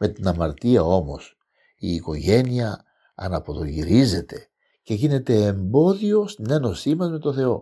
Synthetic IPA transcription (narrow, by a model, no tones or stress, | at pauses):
me̞t̪inɐmɐɾt̪iɐo̞mo̞s | iːko̞ʝe̞niɐ | ɐnɐpo̞ðo̞ʝiɾize̞t̪e̞̥ | ce̞ʝine̞t̪e̞ːmbo̞ðio̞st̪ine̞no̞simɐzme̞t̪o̞θe̞o̞̰